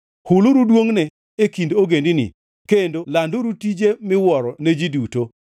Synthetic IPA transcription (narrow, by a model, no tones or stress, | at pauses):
hulʊɾudwoŋnɛ | ekindoɡendɪnḭ | kendolandoɾutid͡ʒemɪwɔɾɔned͡ʒiduto